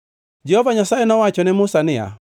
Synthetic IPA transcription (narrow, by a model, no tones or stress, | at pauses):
d͡ʒɛhɔvaɲasaɛnɔwat͡ʃɔnɛmusanɪa̰